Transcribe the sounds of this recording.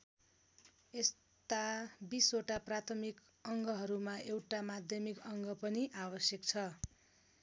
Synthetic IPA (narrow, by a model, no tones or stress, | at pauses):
es | t̪abisoʈaprat̪ʰʌmik | ʌŋɡʌɦʌɾumaʔewʈamad̪ʱjʌmikʌŋɡʌpʌniʔabʌsjʌkt͡sʰʌ